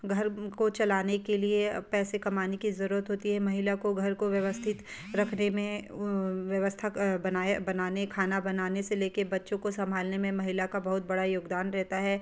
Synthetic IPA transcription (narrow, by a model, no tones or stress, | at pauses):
ɡʱɐɾkot͡ʃɐlaːnekeliepɛːsekɐmaːnekizɐɾuːɾət̪ɦoːt̪iɦɛmɐɦɪlakoɡʱɐɾkoʋjɐʋəst̪ʰɪt̪ | ɾɐkʰnemẽ | ʋjɐʋəst̪ʰabɐnabɐnaːnekʰaːnabɐnaːneseleːkebɐtːʃõkosɐ̃mbʱaːlnemẽmɐɦɪlakabɐɦʊt̪̚bɐɽajoːɡd̪aːnɾɛɦt̪aɦɛː